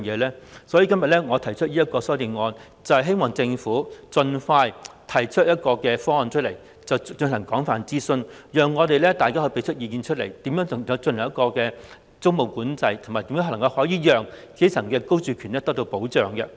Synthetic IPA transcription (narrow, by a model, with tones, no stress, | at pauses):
ŋjɛː˨˧lɛː˥sɔ˨˥jiː˨˧kɐ˥mjɐ˨t̚lɛː˥ŋɔː˨˧t̪ʰɐ˨˩jt͡ʃʰɵ˥t̚jiː˥jɐ˥t̚kɔː˧sɔː˨˥t̪i˨˩nŋɔː˧n | t͡sɐ˨whɐ˨jɦe˥jmɔː˨ŋt͡sɪ˧ŋfuː˨˥t͡sɵ˧nfaː˧jt̪ʰɐ˨˩jt͡ʃʰɵ˥jɐ˥t̚kɔː˧kɛː˧fɔː˥ŋɔ˨nt͡ʃʰɵ˥t̚le˨˩j | t͡sɐ˨wt͡ʃɵ˧ŋt̪ɐ˨˩ŋkɔː˨˥ŋfaː˨nt͡siː˥sɵ˧njœː˨˩ŋːɔː˨˧t̪e˨jlɛː˥t̪aː˨jkaː˥hɵ˧˥pe˨˥jt͡ʃʰɵ˥t̚jiː˧kiː˧nt͡ʃʰɵ˥t̚le˨˩jt̪iː˨˥mjœː˨˥ŋ˨˩ɐ˨˧wt͡sɵ˧nɐ˨˩ŋjɐ˥kɔː˧kɛː˧ | t͡sʊ˥ŋmo˨wkuː˨˥nt͡sɐ˧jt̪ʰʊ˨˩maː˨jt̪i˨˥mː˥˧˥ŋkɐ˧whɔː˨˥jiː˨˧jœː˨ŋkʰe˨˥t͡sʰɐ˨˩ŋkɛː˧ko˥wt͡ʃyː˨kʰyː˨˩nɛː˥t̪ɐ˥k̚t̪o˧wpo˨˥wt͡ʃœː˨ŋkɛ˧